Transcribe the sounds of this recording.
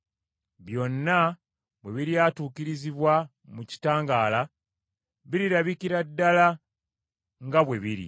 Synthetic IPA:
βjo̞nːa | βwe̞βiɾiaːtuːkiɾiziβwa | muci̥taːŋɡaːla | βiɾiɾaβikiɾadːala | ŋɡaβwe̞βiɾḭ

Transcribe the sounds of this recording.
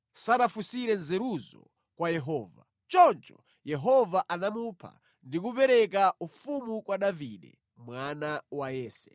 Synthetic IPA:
sanafusiɾɛnzɛɾuzɔ̰ | kwajɛɦɔːva̰ | t͡ʃɔnt͡ʃɔ̥ | jɛɦɔvaʔanamupʰa̰ | ndik̬up̬ɛɾɛk̬aufumukwaɗaviɗɛ̰ | mwanawajɛːsɛ̰

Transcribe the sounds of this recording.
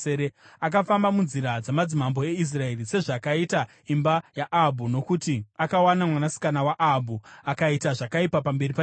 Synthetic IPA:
eɾeak̬afambamunziɾad͡zamad͡zimambo̞e̞is̬rae̞rise̞ʐakaita | imbajaʔabʱuno̞kutiakawanamwanasi̥kanawaʔabʱuakaitaʐakaipapambe̞ripa

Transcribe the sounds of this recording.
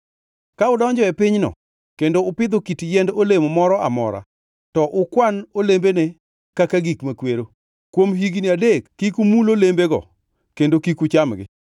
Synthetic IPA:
kaʊdɔɲd͡ʒɔɛpɪɲnɔ̰ | kendoʊpɪd̪okitjɛndolemomɔɾɔa̰mɔ̰ɾa̰ | tɔʔʊkwanolembene | kakaɡikmakweɾo | kwomɦiɡniadekːikumulolembeɡɔ̰ | kendokikut͡ʃamɡɪ̰

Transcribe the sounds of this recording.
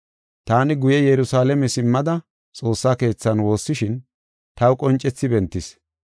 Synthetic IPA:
t̪aːnɪɡʊjɛjɛɾʊsaːlɛmɛsɪmːɐd̪ɐ | t͡sʼo̞ːsːaːke̞ːt͡sːɐnwo̞ːsːɪʃɪn | t̪ɐwkʼɔnt͡ʃʼːɛt͡sːɪbɛnt̪ːɪs

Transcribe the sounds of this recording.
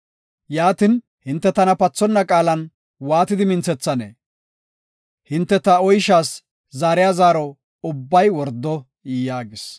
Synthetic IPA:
jaːt̪ɪn | hɪnt̪ːɛt̪ɐnɐpɐt͡sːɔnːɐkʼaːlɐn | waːt̪ɪd̪ɪmɪnt͡sɛt͡sːɐnḛː | hɪnt̪ːɛt̪ɐɔjʃaːs | zaːɾɪjazaːɾɔ | ʊbːɐjwɔɾd̪ːɔ | jaːɡɪs

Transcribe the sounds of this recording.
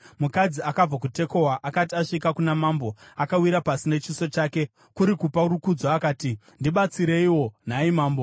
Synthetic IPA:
mukad͡ziakab͡vak̬ute̞ko̞waʔakat̬iaʂikakunamambo̞akawiɾapasine̞t͡ʃiso̞t͡ʃaːke̞ | kuɾikupaɾukud͡zoakaːti | ndiɓat͡siɾe̞iwo̞n̤aimaːmbo̞

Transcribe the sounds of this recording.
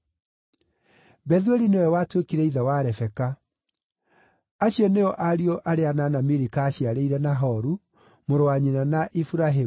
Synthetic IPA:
bɛðweɾinewɛwatwekiɾɛiðawaɾɛfɛka | aɕiɔneɔʔaɾiɔʔaɾeananamiɾikaːɕiaɾeiɾɛnaɦɔɾu | moɾowaɲinanaʔifuɾaɦe

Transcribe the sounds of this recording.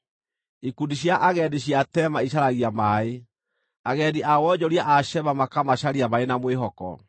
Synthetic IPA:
ikundiɕjaʔaɣɛdeɕ̬iatɛmaiɕaɾaɣiamae | aɣɛdiʔawɔd͡ʑɔɾiaʔaɕɛβamakamaɕaɾiamaenamweɦɔkɔ̰

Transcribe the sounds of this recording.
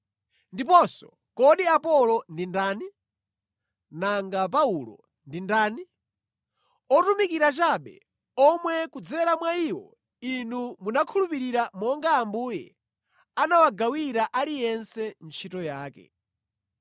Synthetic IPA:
ndipɔsɔ | kɔɗiapɔlɔndindaːni | naŋɡap̬aulɔ̰ | ndindaːni | ɔtumikiɾat͡ʃaɓɛ̰ | ɔmwɛkud͡zɛɾamwaiwɔ̰ | inumunakʰulupiɾiɾamɔŋɡaːmbuːjɛ̰ | anawaɡawiɾaʔalijɛnsɛnt͡ʃʰitɔjaːkɛ̰

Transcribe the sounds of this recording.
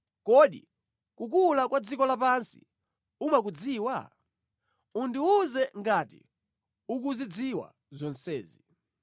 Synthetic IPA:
kɔɗḭ | kukulakwad͡zikɔlapansi̥̰ | umak̬ud͡ziːwa̰ | undiuzɛŋɡatḭ | uk̬uzid͡ziwa̰ | zɔnsɛːzi

